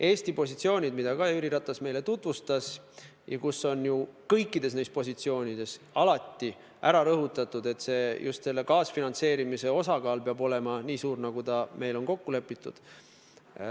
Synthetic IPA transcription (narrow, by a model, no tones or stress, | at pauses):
ʔe̞ːst̪ipo̞sit̪sio̞ːnʲid̪mid̪ɑkɑyɾiɾɑt̪ːˑɑsme̞jlet̪ut̪vust̪ɑs | jɑkusːo̞njukɤjkːˑid̪̥e̞s̬ne̞jst̪̚po̞sit̪sio̞ːnʲid̪̥e̞s | ɑlɑt̪ːi | ʔæɾɑɾɤɦut̪ːˑɑt̪ːˑud̪̥e̞t̪se̞ːjʔṵst̪se̞lːe̞kɑːsfinɑnt̪se̞ːɾimise̞o̞sɑkɑːlpeɑbo̞le̞mɑniːsuːɾnɑɡ̥ut̪ɑme̞jlo̞nko̞kːule̞pːˑit̪ːˑṵd̪̥